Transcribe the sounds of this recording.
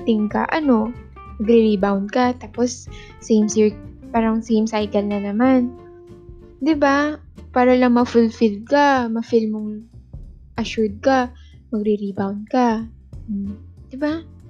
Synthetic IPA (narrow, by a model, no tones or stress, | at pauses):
t̪ɪŋkɐ̰ʔɐno̞ | mɐɡɾɪɾibawnd̪̚kat̪aːposː | ejmsipaːɾɐŋsejmsajkɐlnɐnɐman | d̪ɪba | paːɾɐlɐŋmɐfʊlfɪld̪̚kamɐfɪlmʊŋ | ʔɐʃʊɹd̪̚ka | mɐɡɾɪɾibawnd̪̚ka | d̪̥ɪba